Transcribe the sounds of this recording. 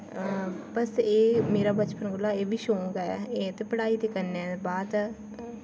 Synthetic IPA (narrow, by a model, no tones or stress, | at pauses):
bəseːmeːɾaːbət͡ʃpənɡolaːeːbiːʃõːɡaɛ̰eːt̪epəɽaːit̪eːkəɾneɛ̃ːbaːd̪